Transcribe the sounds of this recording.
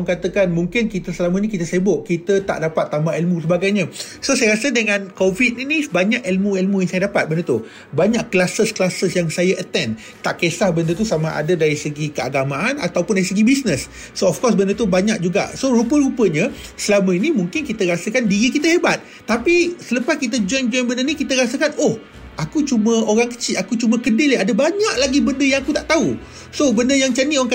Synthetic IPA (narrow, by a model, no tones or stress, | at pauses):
əŋkat̪əkanmuŋkɪnkit̪əsəlamə̃inikit̪əsebʊʔkit̪ət̪a̰ʔdapat̪ːambaelmũsəbaɡajɲə̃ | sosajəɾasədəŋãnkovit̪̚inibaɲakɛlmũelmujaŋsajədapat̪̚bəndət̪u | baɲaʔlasəsklasəsjaŋsajaʔət̪ɛn | t̪aʔkesahbəndət̪̬usamãʔa̰dədaɾisəɡikəaɡamãana̰t̪awpʊndaɾisəɡibisnəsː | oɔfkɔrs̬bəndət̪ubaɲak̚d͡ʒuɡa̰ʔsoɾupəɾupəɲə̃ | səlamãinimuŋkɪnkit̪əɾasəkandiɾikit̪aɦebat̪̚ːapisələpas̚kit̪̬əd͡ʒɔjnd͡ʒɔjnbəndənikit̪əɾasəkanoh | akut͡ʃumə̃oɾaŋkə̥t͡ʃɪlakut͡ʃumə̃kədɪlaadəbaɲaʔ̚laɡibəndəjaŋakut̪aʔt̪au | sobəndəjaŋt͡ʃanioŋk